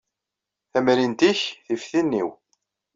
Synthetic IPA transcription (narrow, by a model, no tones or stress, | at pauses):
θæmɾint̪içθifθinːḭw